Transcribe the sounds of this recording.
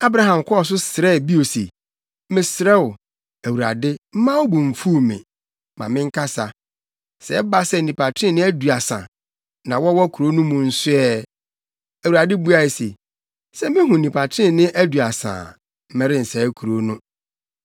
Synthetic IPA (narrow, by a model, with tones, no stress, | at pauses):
a˦bɾa˦ɦã˨m˨kʷʰɔ˦ɔ˨s̬ʊ˦sɪ˨ɾɛ˦˨bi˦o˨sḛ˨ | mɪ̃˦sɪ˨ɾɛ˦ʊ˨ | æ˨wu˨ɾa̰˨dɪ˦m̩˦mã˦wʊ˦bũ˨ɱ̩˨fu˦mɪ̰̃˨ | mã̰˨mɪ̃˦ŋ̩˦kʰa˦sa˨ | sɛ˨˦ba˦sɛ˦˨n̩˨nĩ˨pa˨tʰɾɪ̃˦˨nɪ̃˦æ˦du˨a˨sã̰˨ | nã˨wɔ˦wɔ˦kʰu˨ɾo˦nʊ̃˦mʊ̃˨n̩˦sʊ˦ɛ˦ | æ˨wu˨ɾa˨dɪ˦bu˦a˨e˨sḛ˨ | sɛ˦mɪ̃˦ɦʊ̃˨nĩ˨pʰa˨tʰɪ̃˦nɪ̃˦ʔæ˦du˨a˨sã̰ː˨ | m̩˦mɛ̃˦ɾɪ̃˦n̩˨sɛ˨˦kʰu˨ɾo˦nʊ̃˦